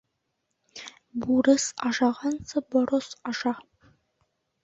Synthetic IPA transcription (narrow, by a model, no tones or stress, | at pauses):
buɾəsɑʒɑʁɑnsɨboɾosɑʒɑ